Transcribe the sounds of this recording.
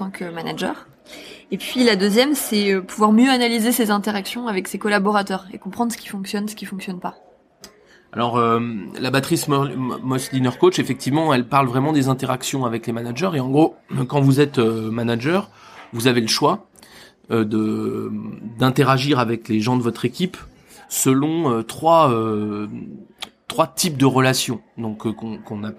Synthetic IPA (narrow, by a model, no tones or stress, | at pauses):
t̪ɑ̃kʰəmanaʒœ̰ːʁ | epɥilad̪øzjɛmsɛøpuvwaʁmjøanalizesezɛ̃t̪eʁaksjɔ̃avɛksekɔlabɔʁat̪œːʁḛkɔ̃pχɑ̃d̪ʁsə̥kʲi̥fɔ̃ksjɔnsə̥kʲifɔ̃ksjɔnpa | a̰lɔʁømlabat̪χismɔslinœʁkot͡ʃefɛk̚t̪ivmɑ̃ɛlpaʁlvʁɛmɑ̃d̪ezɛ̃t̪eʁaksjɔ̃avɛklemanaʒœʁeɑ̃ɡʁokɑ̃vuzɛt̪ømanaʒœʁ | vuzaveləʃwa | ød̪ə | d̪ɛ̃t̪eʁaʒiʁavɛkleʒɑ̃d̪əvɔt̪χekʲip | səlɔ̃øt̪χwaø | t̪χwat̪ip̚d̪əʁəlasjɔ̃d̪ɔ̃kkɔ̃kɔ̃na